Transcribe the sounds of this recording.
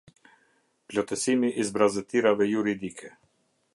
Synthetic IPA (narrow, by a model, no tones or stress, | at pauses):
plɔt̪ɛsimiʔizbɾazət̪iɾavɛjuɾid̪ikʰɛ